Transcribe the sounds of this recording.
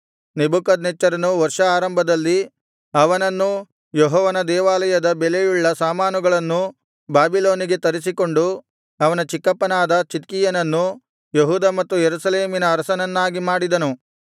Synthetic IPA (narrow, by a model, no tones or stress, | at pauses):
nebukɐd̪net͡ʃːɐɾɐnuʋɐɾʂɐaːɾɐmbʱɐd̪ɐlːi | ɐʋɐnɐnːu | jeɦɔːʋɐnɐd̪ɛːʋaːlɐjɐd̪ɐbelejuɭːɐsaːmaːnuɡɐɭɐnːu | baːbilo̞ːniɡe̞t̪ɐɾis̬iko̞ɳɖu | ɐʋɐnɐt͡ʃikːɐpːɐnaːd̪ɐt͡ʃit̪kijɐnɐnːu | jeɦuːd̪ɐmɐt̪ːujeɾusɐleːminɐːɾɐsɐnɐnːaːɡimaːɽid̪ɐnu